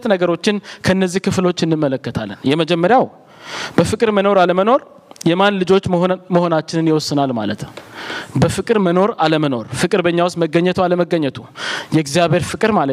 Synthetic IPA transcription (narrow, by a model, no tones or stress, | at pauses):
t̪nəɡəɾo̞t͡ʃːɪnkʰəɨnːəzːihkʰɨflo̞t͡ʃːɨnːɨmːələkːət̪ʰa̰lːənjɛməd͡ʒɛmːəɾjaw | b̥əfɨkʼɨɾməno̞ɾaləməno̞ɾ | jɛmanlɨd͡ʒo̞t͡ʃːməho̞nat͡ʃːɪnɨnjɪwɔsːɨnalma̰lət̪ | bəfɨkʼɨɾməno̞ɾaləməno̞ɾfɨkʼɨɾbəɲːawʊst̪məɡəɲːət̪ʰualəməɡːəɲːət̪ʰujɛɡzjaβe̞ɾfɨkʼɨɾmalə